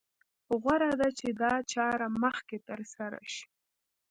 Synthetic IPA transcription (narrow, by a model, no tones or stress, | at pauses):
ɣwaɾad̪at͡ʃed̪ɑt͡ʃɑɾaməxket̪əɾsaɾa̰ʃi̥